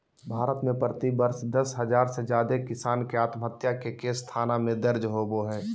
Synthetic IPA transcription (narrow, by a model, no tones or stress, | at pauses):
bʱaːɾət̪mẽpɾət̪ibəɾʃd̪ɐsɦəd͡ʒaːɾsed͡ʒjaːd̪ekɪsaːnkeaːt̪məɦət̪jakekest̪ʰaːnamẽd̪əɾd͡ʒɦoboɦɛː